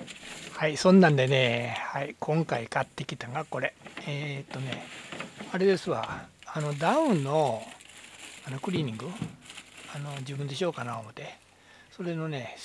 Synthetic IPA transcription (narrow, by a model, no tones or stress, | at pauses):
haisõ̞nːãnd̪e̞ne̞haikʰõ̞ŋkaikat̪ːe̞kʲi̥t̪aŋɡako̞ɾe̞eːt̪ːo̞ne̞̰ | aɾe̞d̪e̞sɨβa̰ano̞d̪aɯ̟̃nːo̞ | anokɯ̟ɾʲiːɲ̟ĩŋɡɯ | ano̞d͡ʑɨːbɯ̃nd̪e̞ɕo̞ːkanaomo̞t̪e̞ | so̞ɾe̞no̞ne̞